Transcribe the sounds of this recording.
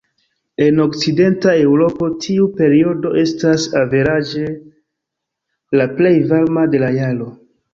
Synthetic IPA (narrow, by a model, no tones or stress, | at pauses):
e̞no̞kt͡side̞ntae̞wɾo̞po̞tʰiupe̞ɾio̞do̞ʔe̞stasave̞ɾad͡ʒe̞ | laple̞jvalmade̞lajalo̞